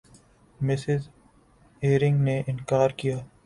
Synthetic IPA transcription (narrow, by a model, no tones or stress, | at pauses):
mɪsɪz | eːɾɪ̃ŋɡneʔɪnkaːɾkijaː